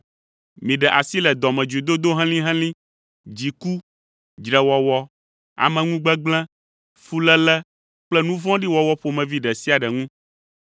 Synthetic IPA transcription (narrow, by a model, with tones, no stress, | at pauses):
mĩ˨ɖɛ˨ʔa˨si˦lɛ˨d̪ɔ˨mɛ̃˨d͡ʒu˨i˨d̪o˦d̪o˦ɦɛ̃˦lĩ˦ɦɛ̃˦lĩ˦ | d͡ʑi˨ku˦ | d͡ʒɾɛ˨wɔ˨wɔ˦ | a̰˨mɛ̃˨ŋũ˦ɡ͡bɛ˦ɡ͡blɛ̃˦ | fu˦lɛ˦lɛ˦ | k͡plɛ˦nũ˦vɔ̃˦ɖi˦wɔ˦wɔ˦ɸo˦mɛ̃˨vi˦ɖɛ˨si˦a˨ɖɛ˨ŋũ˦